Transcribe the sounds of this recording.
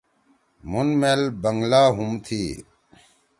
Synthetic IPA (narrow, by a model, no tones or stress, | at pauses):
munmeːlbəŋɡlaːɦumt̪ʰiː